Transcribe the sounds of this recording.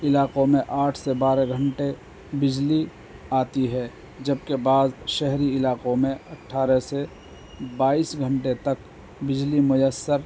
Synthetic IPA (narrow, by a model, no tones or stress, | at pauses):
ɪlaːqomẽʔaːʈʰsebaːɾeɡʱə̃ɳʈe | bɪd͡ʒli | aːt̪iɦɛ | d͡ʒəb̚kebaːd̪ʃɛɦɾiɪlaːqomẽɐʈʰːaːɾɛse | baːiːsɡʱə̃ɳʈet̪ɐk | bɪd͡ʒlimʊjəsːəɾ